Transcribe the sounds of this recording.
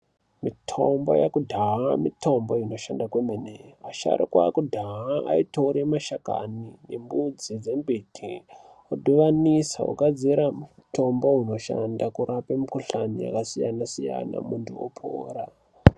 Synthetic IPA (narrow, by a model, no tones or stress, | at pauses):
mitʰo̞mbo̞̰jakudʱaɦamito̞mbo̞ino̞ʃandakwemeneaʃa̰ɾikwakudʱaɦaaitoɾemaʃaka̰nine̞mbud͡zid͡ze̞mbitʰi | oɗuʋanisaṵkad͡ziɾamuto̞mbo̞ɦino̞ʃandakuɾapemukuɬanija̰kasijanasija̰na̰muntʰuo̰pʰo̰ːɾa